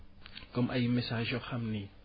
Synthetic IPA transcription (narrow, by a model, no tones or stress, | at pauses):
kʼom̩ʔajimɛsaʒɔχʰamni